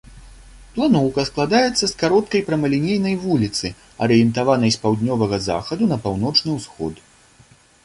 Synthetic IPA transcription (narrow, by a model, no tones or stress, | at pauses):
plˠanɔwkɐsklˠad̪ajɛt̪sːɐskaɾɔt̪̚kɐjpɾɐmɐlʲinʲejnɐjvulʲit̪sɨ | ɐɾɨjɛnt̪avanɐjspawd̪ʲnʲɔvɐɣɐza̰xɐd̪unɐpawn̪ɔt͡ʂnɨwsxɔ̰t̪